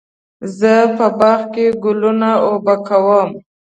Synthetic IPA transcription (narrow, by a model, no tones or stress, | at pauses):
zəpəbɑxkeɡʊlunaobakʰawəm